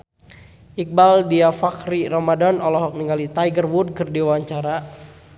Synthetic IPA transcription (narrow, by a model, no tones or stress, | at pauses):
ʔik̚baldiafakɾirɔmadɔnɔlɔɦɔk̚niŋɡalit̪ajɡərwud̚kɨrdiwaɲt͡ʃaɾa